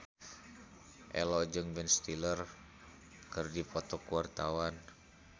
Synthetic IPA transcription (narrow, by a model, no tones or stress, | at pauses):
ʔɛ̰lɔd͡ʒɨŋbɛnst̪ilər | kɨrdipɔt̪ɔkuart̪awan